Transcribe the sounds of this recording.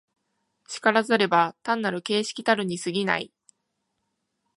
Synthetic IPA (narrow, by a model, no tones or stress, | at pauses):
t͡ɕi̥kaɾazɨaɾe̞bat̪ãnːaɾɯ̟ke̞ːɕi̥kʲit̪aɾɯ̟ɲ̟isɨɡʲina̰i